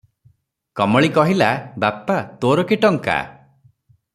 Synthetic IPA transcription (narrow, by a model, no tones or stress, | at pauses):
kɔmɔɭikɔɦilabapat̪oɾɔkiʈɔŋka̰